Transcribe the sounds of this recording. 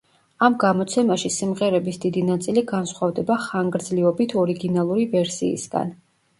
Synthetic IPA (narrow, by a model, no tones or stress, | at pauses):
amɡamɔt̪sʰɛmaʃisimʁɛɾɛbisd̪id̪inat̪sʼiliɡansχwavd̪ɛbaχaŋɡɾd̪zliɔbit̪ʰɔɾiɡinalˠuɾivɛɾsḭːsɡa̰n